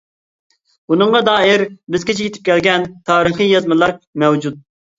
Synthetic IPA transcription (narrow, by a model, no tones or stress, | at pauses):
unɨŋʁɑd̪ɑːɦɪɾbɪzkʲit͡ʃʰɛjit̪ʰɪ̥p̚kʲʰɛlɡʲɛnt̪ʰɑːɾɨχijɑzmɨlˠɑɾmɛwd͡ʒut̪̚